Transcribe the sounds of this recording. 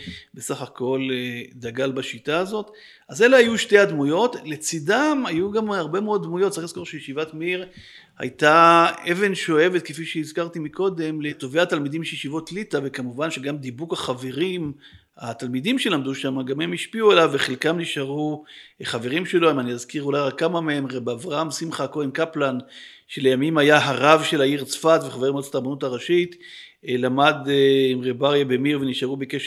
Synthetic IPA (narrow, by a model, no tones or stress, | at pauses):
be̞saχako̞ld̪aɡalbaʃitaːzo̞t̪ | aze̞leajuʃte̞ad̪mujo̞t̪let͡sidamajuɡamhaʁbe̞meo̞d̪̚dmujot̪̚t͡saχliz̥koʁʃejeʃivatmiʁ | ha̰jtaeve̞nʃo̞e̞ve̞t̪̚kefiʃeizkaʁt̪imiko̞d̪e̞mle̞t̪o̞veat̪almid̪imʃejeʃivo̞tlit̪ave̞kamuvanʃeɡamd̪ibukhaχave̞ʁim | at̪almid̪imʃelamd̪uʃamaɡamhemhiʃpiuelavːeχelkamniʃaʁuχaveʁimʃe̞lo̞imanijazkiʁulajʁakːamamehemʁebeavʁaamsimχakodenkaplan | ʃelejamimajaɦaʁavʃelaiʁt͡sfat̪veχaveʁimotat̪aʁbanutaʁaʃit̪ | lamad̪imʁebaʁjabemiʁveniʃaʁubekeʃ